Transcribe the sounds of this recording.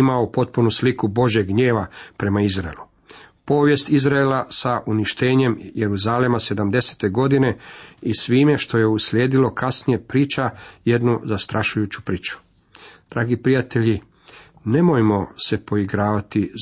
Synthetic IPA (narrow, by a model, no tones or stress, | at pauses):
imaopo̞t̪̚punuslikubo̞ʒje̞ɡɡɲe̞ːʋapɾe̞maizɾaelu | po̞ːʋje̞st̪izɾaelasaʔuniʃt̪e̞ːɲe̞mjeɾuzalemase̞d̪amd̪e̞se̥t̪e̞ɡo̞d̪ine̞isʋiːme̞ʃt̪o̞je̞uslʲeːd̪ilo̞kasnije̞pɾiːt͡ʃaje̞d̪nuzast̪ɾʔaʃujuːt͡ɕu̥pɾiːt͡ʃu̥ | d̪̥ɾaːɡipɾijat̪e̞ʎi | ne̞mo̞jmo̞se̞po̞iɡɾaːʋat̪i